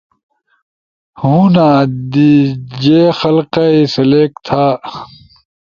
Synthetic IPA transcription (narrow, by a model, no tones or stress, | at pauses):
hũːnaːd̪id͡ʑeːxɐlqaisɐleːkt̪ʰaː